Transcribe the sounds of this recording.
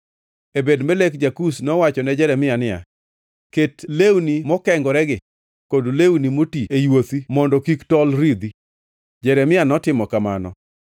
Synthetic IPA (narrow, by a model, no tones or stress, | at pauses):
ebedmelekd͡ʒakusnɔwat͡ʃɔnɛd͡ʒɛɾɛmɪanɪja̰ | ketlewnimɔkɛŋɡɔɾɛɡɪ | kodlewnimotiejwot̪imɔndɔkiktɔlɾid̪i | d͡ʒɛɾɛmɪjanɔtɪmɔkamanɔ̰